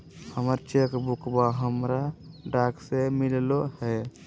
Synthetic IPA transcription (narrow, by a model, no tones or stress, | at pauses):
həməɾt͡ʃekbukbaɦəmɾaɖaksemillohɛ